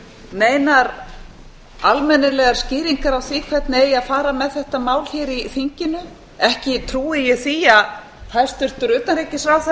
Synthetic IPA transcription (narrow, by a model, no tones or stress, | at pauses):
neːjnaɾ | almɛnɪlɛɣaɾ̥scɪːɾiŋkaɾawθiːkʰvɛt̪nɪejaðfaːɾamɛðθɛht̪amaːwl̥çɛːɾiθiɲcɪnʏ | ɛhcɪt̪ʰɾuːɪjɛɣθiːja | θaðɾ̥st̪ʏr̥t̪ʏɾʏːt̪anɾecɪsɾaːwθa